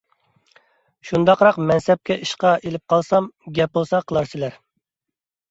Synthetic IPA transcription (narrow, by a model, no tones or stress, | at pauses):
ʃund̪ɑqɾɑqmɛnsɛp̚kʲɛʔiʃqɑʔelɪp̚qʰɑlˠsɑmɡʲɛp̚bolˠsɑqʰəlˠɑɾsɪlæɾ